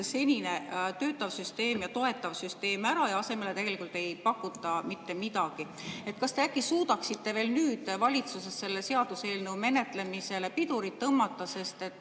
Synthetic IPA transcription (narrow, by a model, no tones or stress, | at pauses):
se̞nʲine̞t̪ø̞ːt̪ːˑɑvsyst̪e̞ːmjɑt̪o̞e̞t̪ːˑɑvsyst̪e̞ːmæɾɑjɑɑse̞me̞le̞t̪e̞ɡelikˑult̪ːˑe̞jpɑkːut̪ːˑɑmit̪ːe̞mid̪ɑɡ̥i | e̞t̪ːˑkɑst̪e̞ækːˑisuːd̪ɑksit̪ːe̞ve̞ːlnyːd̪̥vɑlʲit̪suse̞sːe̞lːese̞ɑd̪̥use̞ːlnəwme̞ne̞t̪ˑle̞mise̞le̞pid̪uɾit̪ːɤmːɑt̪ˑːɑse̞st̪e̞t̪ːˑ